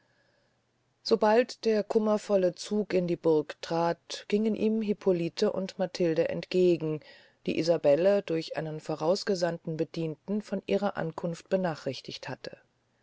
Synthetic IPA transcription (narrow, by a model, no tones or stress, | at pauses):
z̥obaltd̥eːɐkʰʊmɐfɔlət͡suːkɪndiːbʊɐktʁ̥aːtɡ̥ɪŋənʔiːmɦipʰolitʰəʔʊ̰ntmatʰɪldəʔɛ̰ntɡ̥eːɡŋ̩ | d̥ḭːʔizabɛlədʊɐçʔa̰ɪnənfoːʁaʊsɡ̥əzantn̩bəd̥iːntn̩fɔnʔiːʁ̞ɐʔa̰nkʰʊnft̚b̥ənaːχʁ̥ɪçtɪçthatʰə̥